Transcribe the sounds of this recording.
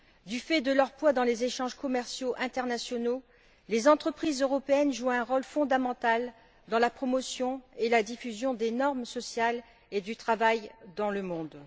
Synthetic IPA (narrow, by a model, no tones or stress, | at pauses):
d̪yfɛd̪əlœʁpwad̪ɑ̃lezeʃɑ̃ʒkɔmɛʁsjoʔɛ̃t̪ɛʁnasjɔno | lezɑ̃t̪χəpχizøʁɔpeɛnʒuɛ̃ʁɔlfɔ̃d̪amɑ̃t̪al | d̪ɑ̃lapχɔmɔsjɔ̃elad̪ifyzjɔ̃d̪enɔʁmsɔsjal | ed̪yt̪χavajd̪ɑ̃ləmɔ̃d̪